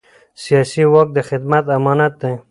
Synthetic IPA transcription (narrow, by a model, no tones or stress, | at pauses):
sijɑsiwɔk̚d̪əxɪd̪mat̪amɑnat̪̚d̪e